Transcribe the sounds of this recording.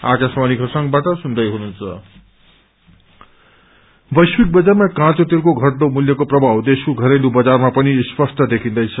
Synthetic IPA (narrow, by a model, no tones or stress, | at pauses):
akaswanikʰʌsʌŋbaʈʌsund̪ʌjɦununt͡sʰʌ | bʌjswik̚bʌd͡zarmakãt͡sot̪irkoɡʱʌʈd̪omuljʌkoprʌbʱawd̪esuɡʱʌɾelubʌd͡zarmapʌnispʌsʈ̪ʰʌd̪ekʰĩnd̪ʌjt͡sʰʌ